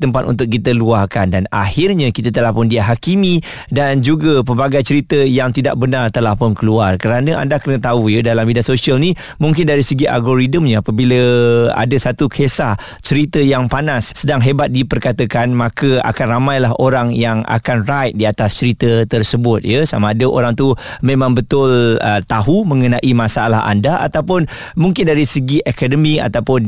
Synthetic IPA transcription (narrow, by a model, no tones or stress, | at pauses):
t̪əmpat̪̚ṵnt̪ʊk̚kːit̪əluarkandana̰hɪrɲakit̪ət̪əlahpʊndiaɦakimĩ | dand͡ʒuɡəpəbaɡajt͡ʃəɾit̪əjaŋt̪ida̰ʔ̚bənart̪əlahpʊnkəluarkəɾanəʔa̰ndakənət̪aujədalambidasosiəlni | muŋk̬ɪndaɾisəɡiʔa̰lɡoɾidəmɲãapəbiləa̰dəsat̪ukʰesah | t͡ʃəɾit̪əjaŋpanasːədaŋɦebat̪̚dipərkat̪əkanmakəa̰kanramajlaɦoɾaŋjaŋa̰kanrajt̪̚diat̪ast͡ʃəɾit̪ət̪ərsəbʊt̪̚jəsamaːdəʔo̰ɾaŋt̪umẽmãŋbət̪ʊlət̪aɦuməŋənaʔimasalaɦa̰ndaʔa̰t̪awpʊn | muŋkɪndaɾisəɡiʔɛkadəmia̰t̪awpʊn